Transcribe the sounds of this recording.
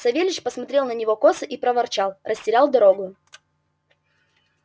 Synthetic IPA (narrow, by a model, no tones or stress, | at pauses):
sɐvʲelʲɪt͡ɕpəsmɐt̪ɾʲelˠnənʲɪvo̞ko̞sɨʔipɾəvɐrt͡ɕalˠrəsʲtʲɪɾʲalˠd̪ɐɾo̞ɡʊ